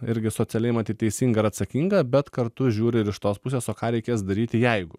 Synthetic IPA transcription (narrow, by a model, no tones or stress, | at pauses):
ɪɾʲɡʲɪsoːt͡s̪ʲɪɛlʲɛɪmɐt̪ʲiːt̪ʲɛɪsʲiŋɡɐɪɾɐt̪sɐkʲiŋɡɐbʲɛt̪kɐɾtt̪ʊʒʲuːɾʲɪɪɾɪʃt̪oːspʊsʲeːsoːkɑːɾʲɛɪkʲeːs̬d̪ɐɾʲiːt̪ʲɪjɛɪɡʊ